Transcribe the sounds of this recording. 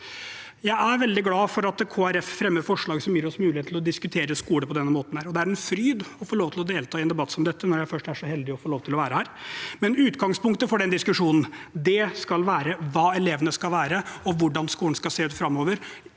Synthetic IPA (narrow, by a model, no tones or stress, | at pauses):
jæɪæɾʋɛld̪ɪɡlɑːfɔɾɑt̪kʰoːæɾɛffɾɛmːəɾfɔʂɭɑːɡsɔmjiːɾɔsmʉːlɪeːt̪ʰlɔd̪ɪskʉt̪ʰeːɾəskuːləpʰɔd̪ɛnːəmoːt̪n̩æːɾɔd̪ɛæɾɛnfɾyːd̪ɔfoːɭoːʋt̪ʰɪlɔd̪eːlt̪ʰɑːɪɛnd̪ɛbɑt̪ːsɔmd̪ɛt̪ʰːənɔɾjæɪfœʂʈæʂɔhɛld̪ɪɔfoːloːʋt̪ɪlɔʋæːɾəhæːɾmɛnʉːt̪ɡɑŋspʊŋkt̪əfɔɖɛnd̪ɪskʉʂuːnn̩d̪ɛskɑlʋæːɾəʋɑːɛleːʋənəskɑlʋæːɾəɔʋʊɖɑnskuːlɳ̩skɑlseːʉːt̪fɾɑmːoːʋəɾ